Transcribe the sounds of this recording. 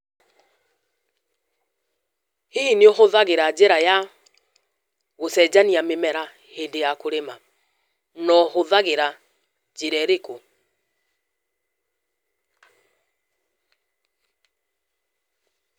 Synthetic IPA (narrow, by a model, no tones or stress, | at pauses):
heineoxoðaɣeɾad͡ʒeɾaja | ɣosɛd͡ʒaniamemɛɾa | hendejakoɾema | nɔhoðaɣeɾa | d͡ʒeɾɛɾeko